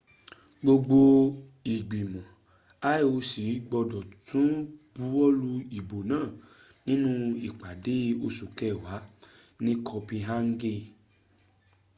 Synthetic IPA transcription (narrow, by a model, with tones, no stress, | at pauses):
ɡ͡bo˧ɡ͡bo˧ | i˨ɡ͡bi˨mɔ̃˨ | a˦e˦˨o˧si˨˦ɡ͡bɔ˧dɔ˨tũ˨˦b̥u˦ɔ˦lu˧i˨bo˨nãː˦˨ | nĩ˦nũ˦i˨k͡pa˨de˨˦o˧su˨kɛ˦˨wa˨˦nĩ˦kʰɔ˧pĩ˧ɦa˦ŋ̩˦ɡe˧